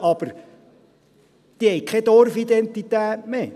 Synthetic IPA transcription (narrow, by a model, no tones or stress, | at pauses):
ɑb̥əɾ | d̪̥iːhɛjkʰɛd̪ɔɾfid̪ɛnt̪it̪æːtmeː